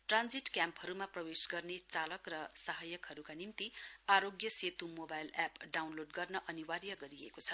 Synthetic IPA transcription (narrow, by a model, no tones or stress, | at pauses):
ʈrand͡ziʈkjampɦʌɾumaprʌwesɡʌrnet͡salʌkrʌsaɦʌjʌkɦʌɾukanimt̪iaɾoɡjʌset̪umobajlapɖawnloɖɡʌrnʌʔʌniwaɾjʌɡʌɾiḛkot͡sʰʌ̥